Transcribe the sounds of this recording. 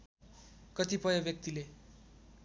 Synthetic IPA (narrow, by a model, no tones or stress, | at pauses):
kʌt̪ipʌjʌbjʌk̚t̪ile